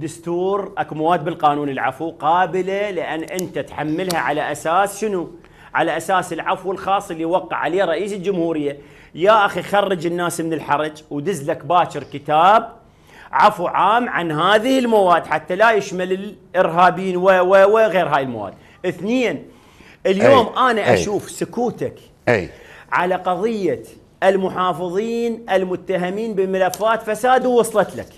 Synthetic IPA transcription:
d̪ʊst̪uːɾʔakumawaːd̪̚bɪlqɑːnuːnɪlʕa̰fuqɑːbɪlalɪʔanːʔɪnt̪at̪ħamːɪlhaʕalaʔasaːsʃɪnu | ʕa̰laʔasaːsɪlʕafwɪlxɑːsˤɪlːiwɑqːɪ̰ʕaleːɾˤɑʔiːsɪld͡ʒʊmhuːɾɪjːa | jaʔaxixɑrˤːɨd͡ʒɪnːaːsmɪnɪlħɑɾˤɑd͡ʒwd̪ɪzːlakbaːʃɪɾkɪt̪aːb̚ | ʕafuʕaːmʕa̰nɦaːðɪhɪlmawaːd̪ːħat̪ːalajɪʃmalɪlʔɪɾɦaːbiːnwawawaɣeːɾɦaːjɪlmawa̰ːd̪̚ | ʔɪθnɪjːan | ʔɪljoːmʔaːnaʔʔaʃuːfsʊkuːt̪ak | ʕa̰laqɑðˤɨjːa | ɪlmʊħɑːfɨðˤiːnʔɪlmʊt̪ːaɦamiːnbɪmalafːaːt̪fasaːd̪wːɑsˤlɑt̪la̰k

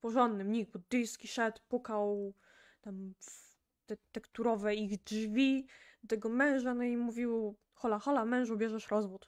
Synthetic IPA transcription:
pɔʐɔnd̪ːɘmɲiɡbud̪ɘjskʲiʂɛt̪pukaw | t̪am | t̪ɛt̪ɛkt̪uɾɔvɛiɣd͡ʐvʲid̪t̪ɛɡɔmɛ̃w̃ʐanɔimuvʲiw | xɔlaxɔlamɛ̃w̃ʐubʲjɛʐɛʂɾɔzvut̪

